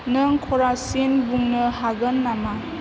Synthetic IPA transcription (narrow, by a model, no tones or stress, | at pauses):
nɯŋkʰɔɾasinbuŋnɯhaɡənːama